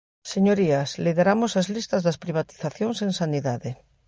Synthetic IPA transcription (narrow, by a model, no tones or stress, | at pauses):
seɲoɾiasliðeɾamosazlist̪ɐzðɐspɾiβat̪i̥θaθjoŋseŋsaniðaðe